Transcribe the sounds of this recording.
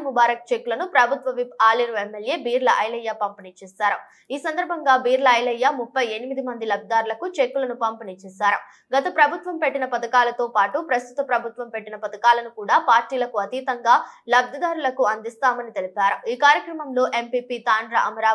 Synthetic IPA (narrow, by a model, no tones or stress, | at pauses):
mubaːɾɐk̚t͡ʃekːulɐnupɾɐbʱut̪ʋɐʋipaːliɾuemːelje̞ːbiːɾlɐʔɐjlɐjːaːpɐmpinit͡ʃɛːʃaːɾɐ | iːsɐnd̪ɐɾbʱɐŋɡaːbiːɾlɐɐjlɐjːaːmupːɐje̞nimid̪imɐnd̪ilɐb̚d̪id̪aːɾulɐkut͡ʃekːulɐnupɐmpinit͡ʃɛːʃaːɾu | ɡɐt̪ɐpɾɐbʱut̪ʋɐmpe̞ʈːinɐpɐd̪ɐkaːlɐt̪o̞ːpaːʈupɾɐst̪ut̪ɐpɾɐbʱut̪ʋɐmpe̞ʈːinɐpɐd̪ɐkaːlɐnukuːɽaːpaːɾʈiːlɐkuɐt̪iːt̪ɐŋɡaːlɐb̚d̪ʱɐd̪aːɾulɐkuɐnd̪ist̪aːmɐnit̪e̞lipaːɾuiːkaːɾjɐkɾɐmɐmlo̞ːʔe̞mpiːpiːt̪aːɳɖɾɐʔɐmɐɾaː